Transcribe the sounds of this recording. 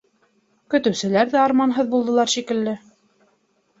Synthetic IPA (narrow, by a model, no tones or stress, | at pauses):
kɵ̆t̪ɘ̆wsɘ̆læɾðæɑɾmɑnɦɤðbulˠd̪ɤ̆lˠɑɾʃikɘ̆lːɘ